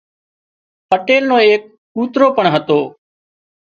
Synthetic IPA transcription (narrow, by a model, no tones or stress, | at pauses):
pəʈeːlnõːeːk̚ | kuːt̪ɾoːpəɳɦət̪oː